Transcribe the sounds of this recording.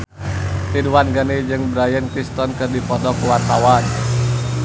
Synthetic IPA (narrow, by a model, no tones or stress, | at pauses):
t̪iduwanɡanid͡ʒɨŋbɾajənkɾist̪ɔnkɨrdipɔdɔkuwart̪awan